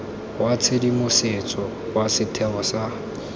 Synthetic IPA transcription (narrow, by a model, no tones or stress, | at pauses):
ɦwat͡sʰedimʊset͡sʼɔ | wasɪtʰɛɔsa